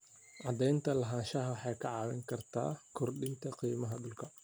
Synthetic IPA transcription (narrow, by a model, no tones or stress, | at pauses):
ʕɑd̪ɛjnt̪ʰɐlɐɦaːnʃɐɦɐwħɑjkʰɐʕɑːwɛŋkʰɐrt̪ʰa̰ːkʰʊrɗɪnt̪ʰɐqiːmɐɦɐɗʊlkʰɐ